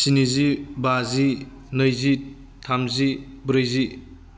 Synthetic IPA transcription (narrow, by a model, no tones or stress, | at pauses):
sinizibazi | nəjzi | tʰamzi | bɾɯjzi